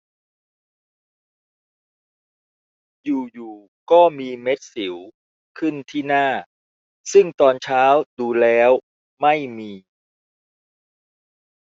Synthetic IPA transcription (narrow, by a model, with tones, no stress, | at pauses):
juː˨˩juː˨˩ | kɔː˥˩miː˧me˦˥t̪̚si˩˦w | kʰɯ˥˩nt̪ʰiː˥˩naː˥˩ | sɯ˥˩ŋt̪ɔː˧nt͡ɕʰaː˦˥wduː˧lɛː˦˥w | ma˥˩jmiː˧